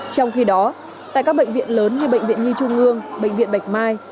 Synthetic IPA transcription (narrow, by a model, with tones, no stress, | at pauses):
t͡ɕɔ˧wŋ͡mxi˧ɗɔ˨˦ | t̪a̰ː˧˨jkaː˦˥k̚ɓə̰˧˨ŋvḭ˧˨ənləː˨˦nɲɨ˧ɓə̰˧˨jŋ̟vḭ˧˨ənɲɨ˧t͡ɕʊ˧ŋ͡mʔɨ˧əŋɓə̰˧˨jŋ̟vḭ˧˨ənɓa˨˩jk̟̚maː˧j